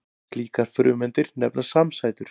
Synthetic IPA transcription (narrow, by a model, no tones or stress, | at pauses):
liːkaɾ̥fɾʏ̰ːmɛnt̪ɪɾnɛpnasamsaːjt̪ʏɾ̥